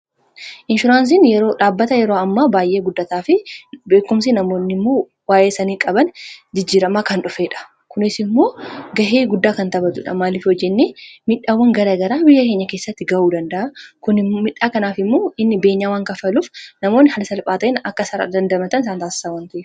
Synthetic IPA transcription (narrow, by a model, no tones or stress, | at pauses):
ʔɪnʃʊɾaːns̬ɪnjɛɾo̞ːᶑaːbːɐt̪ɐjɛɾo̞ːɐmːaːbaːjʔeːɡʊd̪ːɐt̪aːfɪbe̞ːkʊms̬ɪnɐmo̞ːnːɪmːoː | waːʔe̞ːsɐniːkʼɐbɐnd͡ʒɪd͡ʒːiːɾɐmaːkɐnᶑʊfeːᶑɐ̥ | kʊnɪsɪmːo̞ːɡɐɦeːɡʊd̪ːaːkɐnt̪ɐbɐt̪ʊᶑɐ̰maːlɪfwɔd͡ʒːɛnːeːmɪᶑːaːwːɐŋɡɐɾaːɡɐɾaːbɪjːɐke̞ːɲːɐke̞ːsːɐt̪ːɪɡɐʔuːd̪ɐnd̪ɐʔɐkʊnɪmɪᶑːaːkɐnaːfɪmːo̞ːɪnːɪbe̞ːɲːaːwaŋkɐfɐluːfnɐmoːnːɪhɐlsɐlpʼaːt̪ɐʔɪnɐkːɐsɐɾa̰d̪ɐnd̪ɐmɐt̪ɐnɪsaːnt̪aːsɪ̥saːwaːnt̪ɐʔɛ